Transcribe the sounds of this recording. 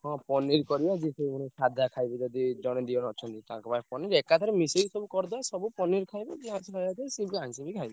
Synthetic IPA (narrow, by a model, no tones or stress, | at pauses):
ɦɔ̃pɔniɾkɔɾibɔd͡ʒisejmanesad̪ʱakʰajbɔd͡ʒɔd̪id͡ʒɔɽ̃ed̪iɔnɔt͡ʃʰɔnt̪it̪ã̰kɔpapɔniɾekat̪ʰɔɾemiseɡisɔbukɔɾd̪aasɔbupɔniɾkʰajbɔd͡ʒiɦãslɔjat̪ʰsibiãĩsibikʰajbɔ